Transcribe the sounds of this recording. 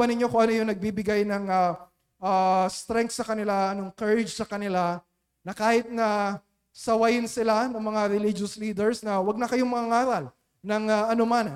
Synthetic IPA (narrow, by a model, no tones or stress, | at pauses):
ɐnɪɲo̞koŋʔɐnojʊŋnɐɡ̚bibɪɡajnɐŋɐ | ast̪ɾɛŋk̪sɐkɐnɪlanoŋkɛɹɪd͡ʒsɐkɐnɪla | nɐkaːhɪt̪̚nɐ | sɐwɐjɪnsɪlanɐŋmɐŋaɾɛlɪd͡ʒosliːd̪ɛɹsnɐwɐɡ̚nɐkɐjoŋmɐŋaŋaːɾɐl | nɐŋaʔɐnoman